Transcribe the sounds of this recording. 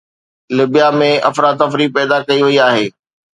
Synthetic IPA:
lɪbijamẽʔɐfɾaːd̪ɐfɾipɛːd̪akɐiʋɐiaːɦeː

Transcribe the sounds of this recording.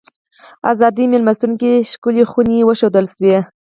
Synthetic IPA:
azɑd̪imelmast̪uŋkiʃkulixuniwəʃod̪əlʃwe

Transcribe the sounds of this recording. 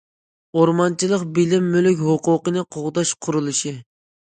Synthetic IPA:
oɾmɑnt͡ʃʰilˠəqbɪlɪmːylykʲɦʊqʊqənɨqʰoʁd̪ɑʃqʰʊɾulˠɨʃi

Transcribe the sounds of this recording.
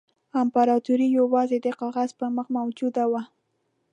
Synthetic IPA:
ampaɾɑt̪uɾijawɑzed̪eqɑʁazpəməχmawd͡ʒud̪awa

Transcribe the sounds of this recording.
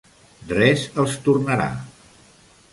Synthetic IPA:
drɛzəlˠst̪urnəɾa̰

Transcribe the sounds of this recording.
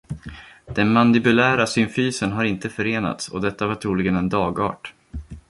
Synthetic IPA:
d̪̥ɛnmand̪ɪbɵlæːɾasʏmfyːsənɦaɾɪnt̪əfœɾeːna̰t̪sɔ̰d̪ɛt̪ːavaʈʰɾuːlɪɡənɛnd̪ɑːɡɑ̰ːʈ

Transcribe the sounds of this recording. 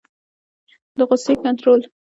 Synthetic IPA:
d̪əɣʊsekant̪ɾol

